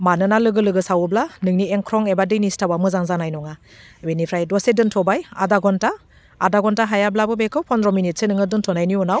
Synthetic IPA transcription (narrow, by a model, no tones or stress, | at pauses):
manɯnalɯɡɯlɯɡɯsawɯblanɯŋnieŋkʰɾɔŋebadɯjnistawamɯzaŋzanajnɔŋa | benipʰɾajdɔsedɯntʰɔbaja̰daɡɔntaː | daɡɔntaɦajablabɯbekʰɯwpʰɔnɾɔminit̚senɯŋɯdɯntʰɔnajniɔnaw